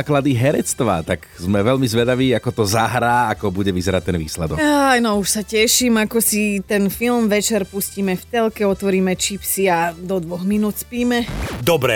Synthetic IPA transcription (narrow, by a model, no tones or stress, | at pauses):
klad̪iɦɛɾɛt͡st̪ʋa̰t̪akzmɛʋɛlmizʋɛd̪aʋiːakɔt̪ɔzaɦɾaːakɔbuɟɛʋizɛɾat̚t̪ɛnʋḭːslɛd̪ɔkajnɔuʃsacɛʃimakɔsit̪ɛnfilmʋɛt͡ʃɛɾpusciːmɛft̪ɛlkɛɔt̪ʋɔɾiːmɛt͡ʃipsiad̪ɔd̪ʋɔɣminuːt̪spiːmɛd̪ɔbɾɛ